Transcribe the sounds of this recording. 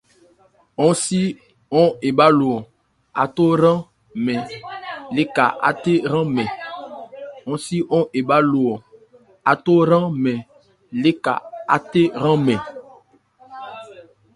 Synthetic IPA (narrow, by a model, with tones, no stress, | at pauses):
ɔ̃˦si˦ | ɔ̃˦e˨ba˦lo˨ɔ˨ | a̰˨to˦ɾã˦ | mɛ̃˨le˦ka̰˨ʔa̰˦te˦ɾã˦mɛ̃˨ | ɔ̃˦si˦ɔ̃˦ʔe˨ba˦lo˨ɔ˨ | a˨to˦ɾã˦mɛ˨ | le˦ka̰˨a̰˦te˦ɾã˦mɛ̃˨